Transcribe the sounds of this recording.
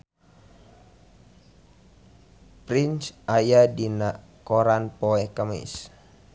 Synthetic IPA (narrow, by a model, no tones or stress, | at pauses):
pɾinsʔajadinaʔ | koɾanpɔɛkəmḭs